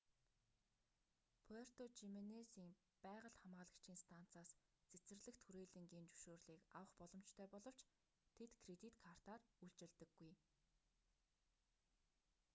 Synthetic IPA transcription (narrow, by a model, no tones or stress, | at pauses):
pʰɔr̥t̪ot͡ɕimenesiːm | pæːʁə̆ɮχamaːɮə̆kt͡ɕʰiːnst̪ʰan̥t͡saːst͡sʰet͡sɘ̆rɮɘ̆xt̪ʰxuɾeːɮɘ̆ŋɡiːnt͡ɕuwʃoːrɮiːkawə̆χpɔɮɞ̆mt͡ɕt̪ʰœːpɔɮɞ̆w̥t͡ɕ | t̪ʰet̪kʰret̪ʲit̪kʰar̥t̪aːruɮt͡ɕɪ̆ɮt̪ɘ̆ɡːuj